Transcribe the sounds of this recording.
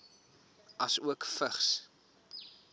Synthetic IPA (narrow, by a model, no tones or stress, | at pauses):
ʔɐsuəkfəχs